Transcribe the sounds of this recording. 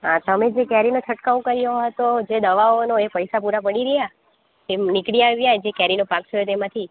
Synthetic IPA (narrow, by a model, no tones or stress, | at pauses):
ɦãt̪əmed͡ʒekɛɾinot͡ʃʰəʈkaũkəɾjoɦət̪od͡ʒed̪əʋaonoepəjsapuɾapəɽiɾəja | t̪emnikɽiaʋjaed͡ʒekɛɾinopak̚t̪ʰəjot̪emãt̪ʰi